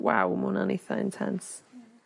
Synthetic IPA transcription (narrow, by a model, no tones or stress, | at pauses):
wawmʊnaniθəɪ̰̃ntʰɛns